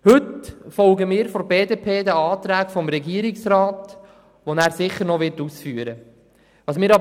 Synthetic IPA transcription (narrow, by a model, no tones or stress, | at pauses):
hɵtfɔlɡəmɪːɾfɔbeːdeːpʰeːd̪əɑːt̪ɾæːkfɔmɾɛɡiəɾɪksɾɑːt | ʋonæːɾsɪχːəɾnɔʋɪɾtusfyːəɾə | ʋɑːsmɪːɾɑb